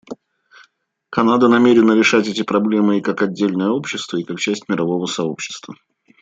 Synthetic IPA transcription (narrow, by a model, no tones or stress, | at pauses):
kɐnad̪ənɐmʲeɾʲɪnəɾʲɪʂatʲɛtʲɪpɾɐblʲe̞mɨikakɐdʲːelʲnəjəo̞pɕːɪst̪vəikak̚t͡ɕæsʲtʲmʲɪɾɐvo̞vəsɐo̞pɕːɪ̥st̪və